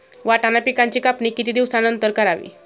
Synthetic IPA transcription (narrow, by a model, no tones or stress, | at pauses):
ʋaʈanapikaɲt͡ɕikapnikit̪id̪iʋsanənt̪əɾkəɾaʋḭ